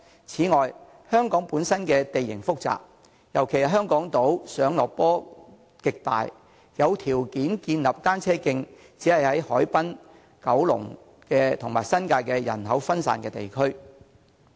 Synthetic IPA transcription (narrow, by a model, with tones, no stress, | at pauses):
t͡sʰiː˨˥ŋɔː˨j | hœː˥ŋkɔː˨˥ŋpuː˨˥nsɐ˥nkɛː˧t̪e˨jɪ̰˨˩ŋfʊ˥k̚t͡sa̰ː˨k̚ | jɐ˨˩wkʰe˨˩jɐ˨˩ɦœː˥ŋkɔː˨˥ŋt̪o˨˥wsœː˨˥ŋlɔː˨k̚pɔː˥ | kɪ˨k̚t̪a̰ː˨j | jɐ˨˧wt̪ʰiː˨˩wkiː˨˥nkiː˧nlɐ˨p̚t̪aː˥nt͡sʰɛː˥kɪ˧ŋ | t͡siː˨˥hɐ˨jhɐ˨˥jhɔː˨˥jpɐ˥n | kɐ˨˥wlʊ̰˨˩ŋ | kɛː˧t̪ʰʊ˨˩ŋmaː˨˩jsɐ˥nkaː˧jkɛː˧jɐ̰˨˩nɦɐ˨˥wfɐ˥nsa̰ː˨˩nkɛː˧t̪ḛ˨˩jkʰɵ˥ɥ